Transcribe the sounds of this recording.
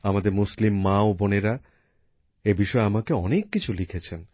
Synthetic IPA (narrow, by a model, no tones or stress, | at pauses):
amad̪eɾmuslimːaoboneɾa | ebiʃɔeamakeɔnekːit͡ɕʰulikʰet͡ɕʰen